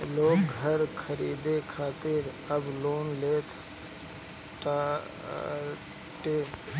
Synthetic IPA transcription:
loːɡɦəɾkʰəɾiːd̪ekʰaːt̪ɪɾ | əbloːnleːt̪ʰ | ʈaː | ʈe

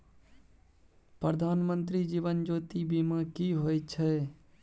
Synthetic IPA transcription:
pɾəd̪ʱaːnmə̃nt̪ɾid͡ʒiːʋənd͡ʒoːt̪ibiːmãkiɦoːjt͡ʃʰɛː

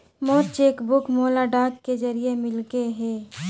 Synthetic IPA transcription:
moːɾt͡ʃeːkbʊkmoːlaɖaːkked͡ʒɐɾiemɪlɡeɦɛ̃ː

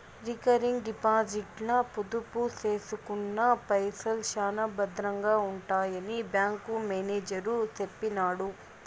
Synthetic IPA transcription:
ɾikɐɾiŋɡɖipaːd͡ʒiʈlɐpud̪upuseːsukunːɐpɐjsɐlʃaːnɐbɐd̪ɾɐŋɡaːuɳʈaːjɐnibjaːŋkumeːneːd͡ʒɐɾut̪epːinaːɽu

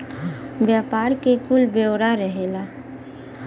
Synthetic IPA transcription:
bjaːpaːɾkekulbewɾaɾəɦela

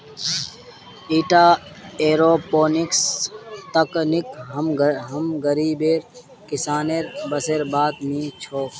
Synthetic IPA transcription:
iːʈaːeːɾoːpoːnikst̪ɐknikɦmɦɐmɡəɾiːbeːɾ | kɪsaːneːɾbɐseːɾbaːt̪mĩːt͡ʃʰoː

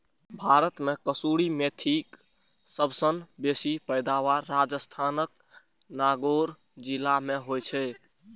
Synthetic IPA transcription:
bʱaɾət̪mekəsuɽimet̪ʰik | səbsənbesipəjd̪aʋaːad͡ʒəst̪ʰanək̚ | naɡoɾ | d͡ʒilameɦojt͡ʃʰɛ

